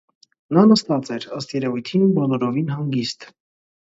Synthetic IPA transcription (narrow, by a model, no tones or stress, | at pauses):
nɑnəst̪ɑt͡sɛɾəst̪jɛɾɛvujt̪ʰinubɔlɔɾɔvinɦɑŋɡist̪